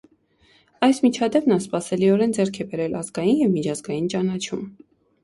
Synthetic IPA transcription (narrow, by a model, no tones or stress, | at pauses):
ɑjsmit͡ʃʰɑd̪ɛpnɑspɑsɛliɔɾɛnd͡zɛɾkʰɛbɛɾɛlɑzɡɑjinjɛvmit͡ʃʰɑzɡɑjint͡ʃɑnɑt͡ʃʰum